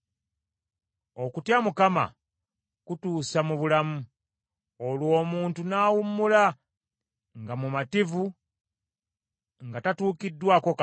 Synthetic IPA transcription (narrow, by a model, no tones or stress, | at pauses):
o̞kutjamukama̰ | kutuːsamuβulamu | olwo̞ːmuːntunaːwumːula | ŋɡamumativu | ŋɡatatuːkidːwako̞k